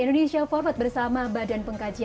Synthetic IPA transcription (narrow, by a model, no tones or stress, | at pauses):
indoneʃiafɔrfat̪̚bərsamabadanpəŋkad͡ʒi